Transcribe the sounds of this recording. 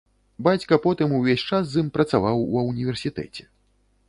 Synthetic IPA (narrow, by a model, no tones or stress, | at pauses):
bat͡sʲkɐpɔt̪ɨmuvʲesʲt͡ʂasːɨmpɾɐt̪savawwɐwnʲivʲɛrsʲit̪ɛ̰t͡sʲɛ̥